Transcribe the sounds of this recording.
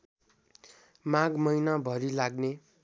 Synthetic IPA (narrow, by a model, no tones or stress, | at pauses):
maɡmʌjnabʱʌɾilaɡne